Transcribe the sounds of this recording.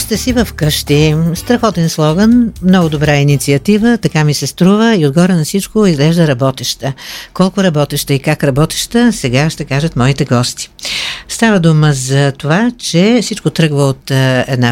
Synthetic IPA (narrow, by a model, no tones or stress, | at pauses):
st̪əsivəfkəʃt̪ist̪ɾɐxɔt̪ɛnslˠɔɡənmnɔɡʊd̪obɾainit̪siɐt̪ivət̪ɐkamisɛst̪ɾuvəiod̪ɡɔɾənɐfsit͡ʃkoizɡlɛʒd̪əɾɐbɔt̪ɛʃt̪əkɔlˠkʊɾɐbɔt̪ɛʃt̪əikakɾɐbɔt̪ɛ̥ʃt̪əsɛɡaʃt̪ɛkaʒət̪mɔit̪ɛɡɔst̪i̥st̪avəd̪uməzɐt̪ovat͡ʃɛfsit͡ʃkot̪ɾɤɡvəot̪ɛd̪na